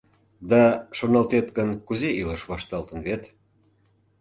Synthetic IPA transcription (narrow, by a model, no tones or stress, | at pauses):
d̪ɑʃonɑlt̪et̪ɡənkuzeiləʃβɑʃt̪ɑlt̪ə̆nβet̪